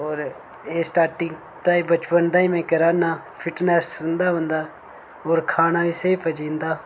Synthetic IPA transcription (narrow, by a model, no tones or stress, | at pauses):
oːɾ | eːsʈaːɾʈɪ̃ŋɡ | t̪aːiːbət͡ʃpənd̪aːiːmɛ̃ːkəɾaːnãː | pʰɪʈnɛːsə̃nd̪aːɦõnd̪aː | oːɾkʰaːnaːʋiːseiːpəd͡ʒĩːnd̪aː